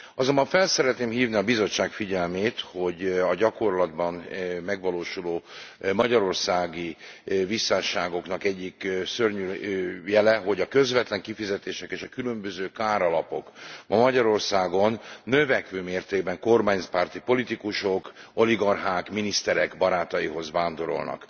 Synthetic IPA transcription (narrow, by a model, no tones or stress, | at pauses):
ɒzo̞mbɒɱfɛlsɛɾɛt̪neːmhiːvniɒbizo̞t͡ʃːaːkfiɟɛlmeːt̪ho̞ɟɒɟɒko̞rlɒd̪bɒnmɛɡʋɒloːʃuloː | mɒɟɒɾo̞rsaːɡi | visːaːʃaːɡo̞knɒkɛɟːiksørɲyljɛlɛɦoɟɒkø̞zʋɛt̪lɛŋkifizɛt̪eːʃɛkeːʃɒkylømbøzøːkaːɾɒlɒpo̞̰kmɒmɒɟɒɾo̞rsaːɡo̞nːøvɛkʋøːmeːrt̪eːɡbɛŋko̞rmaːɲspaːrt̪ipo̞lit̪ikuʃo̞ko̞liɡɒrɦaːkminist̪ɛɾɛkbɒɾaːt̪ɒjiɦo̞zʋaːnd̪o̞ɾo̞̰lnɒ̰k